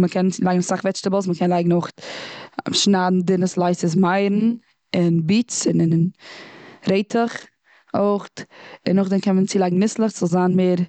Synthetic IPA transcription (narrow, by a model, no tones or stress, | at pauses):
məkʰɛnlˠaɪɡŋnχsaχvɛt͡ʃtəbəl̩ˠs̬məkʰɛnlˠaɪɡŋ̩oχt | ʃnaːdn̩dɪnəslˠaɪsɪs̬maɪɾn̩ | ɪnbiːt͡sɪn | ɾeɪtʰəχ | oɪχtɪnʊχdɛnkʰɛnmənt͡siːlˠaɪɡŋ̩nɪslˠəχzɔlˠzaːnmeːɾ